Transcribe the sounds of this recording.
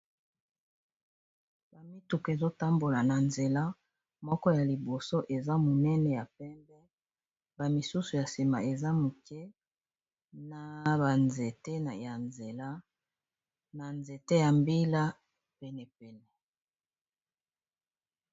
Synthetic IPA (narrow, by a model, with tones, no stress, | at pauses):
ba˨mi˦tu˨ke˨zo˦ta˦mbo˨la˨na˨nze˨la˦ | mɔ˦kɔ˦ja˨li˨bo˨so˦ʔe˨za˦mo˨nɛ˦nɛ˨ja˨pɛ˦mbɛ˦ | ba˨mi˨su˦su˨ja˨si˨ma̰˨e˨za˦mu˨kʰɛ˦ | na˨ba˨nze˨te˦na˨ja˨nze˨la˦ | na˨nze˨te˦ja˨mbi˦la˦ | pɛ˨nɛ˨pɛ˨nɛ˨